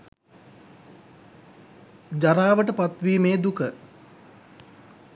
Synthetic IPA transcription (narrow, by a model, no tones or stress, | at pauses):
d͡ʒaɾaːʋəʈəpat̪ʋiːmeːd̪ukə